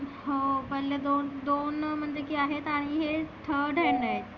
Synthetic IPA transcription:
ɦopəɦled̪ond̪onm̤əɳd͡ʑekiaɦet̪aɽ̃iɦeʈʰəɖʱəɳd̪aɦet̪

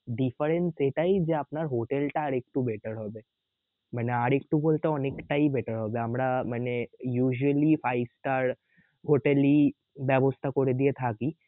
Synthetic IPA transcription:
ɖifəɾenseʈ̪aid͡ʑeapnaɾɦoʈelʈaɽek̚ʈubʱeʈəɾɦɔʋe | m̤əneaɽek̚ʈũbolt̪aɔnekʈaibʱeʈəɾɦɔʋeamɾamənejuːʑuəlifajsʈaɾ | ɦoʈeli | baʋost̪akoɽed̪iet̪ʰaki

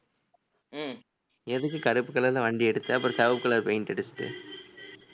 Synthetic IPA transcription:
ɛðɯkːɯkɐɾɯpːɯkːɐɭɐlɐʋɐɳɖiɛɽɯt̪ːɯɐpːɐɾ̃sɐʋɐpkːɐɭɐɾpeɪnʈ̪ɛɽɯsɯ̥ʈːɯ̰

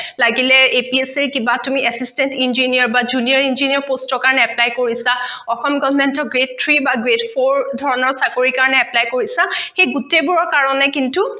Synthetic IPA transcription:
laɡilɛepieseɹkibatumiʔɛsistɛntinziniɔɹbazuniɔɹinziniɔɹpostɔkaɹɔnɛɛplajkoɹisaɔxɔmɡɔbʱɔmɛntɔɡɹet̚tʰɹibaɡɹetpʰoɹdʱɔɹɔnɔɹsakoɹikaɹɔnɛɛplajkoɹisaxejɡutebuɹɔɹkaɹɔnɛkintu

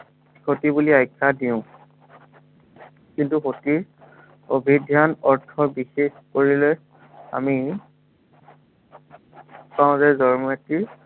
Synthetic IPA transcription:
xotibuliajkʰːadiʊ̃ | kintuxoti | obʱidʱjanɔɹtʰɔbixexkoɹilɛj | a̰mi | paʊ̃zɛzɔɹmeti

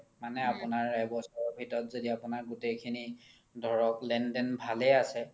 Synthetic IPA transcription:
manɛapʊnaɹːajbɔsɔɔbʱitɔɹɔtzodiapunaɹɡutejkʰini | dʱɔɹɔklɛndɛnbʱalɛasɛ

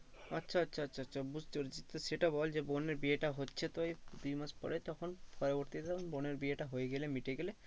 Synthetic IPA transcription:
ɐtːʃʰaːtːʃʰaːtːʃʰaːtːʃʰabud͡ʒʱt̪oɾd͡ʒit̪ːseʈabɔld͡ʒeboneɾbieʈaɦotːt͡ʃʰet̪ɔjd̪ujmaspɔ̰ɾet̪ɔkʰɔnpʰɔɾɔbɔɾt̪it̪ɔkʰonboneɾbieʈaɦojɡelemiʈeɡele

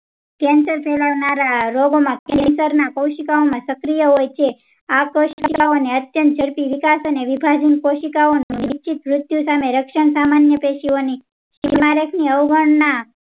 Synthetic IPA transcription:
kɛ̃nsəɾpʰɛlaʋnaɾaɾoɡomãkɛnsəɾnakəwʃikaomãsəkɾijəɦojt͡ʃʰe | akoʃikaoneət̪jənt̪̚d͡ʒʱəɾpiʋikasəneʋibʱad͡ʒinkoʃikaonũnit͡ʃʰit̪ʋɾʊt̪jusameɾəkʃəɳsamanjəpeʃioni | ʃimaɾəkʰniəwɡəɳna

